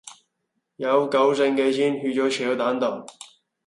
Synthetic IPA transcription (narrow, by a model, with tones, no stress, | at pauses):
jɐ˨˧wkɐ˨˥wse˧ŋke˧sʰi˥nhyː˧t͡ɕɔː˨˥t͡ʃʰy˨˩jo˨˧˥t̪aː˨˥nt̪ɔ˨˩ŋ